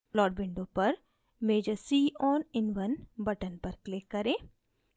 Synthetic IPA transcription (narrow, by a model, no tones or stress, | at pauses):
lɔːɖ̚bɪ̃ɳɖõpɐɾ | meːd͡ʒəɾsiːʔɔːnɪnʋənbɐʈənpɐɾklɪkːɐɾẽː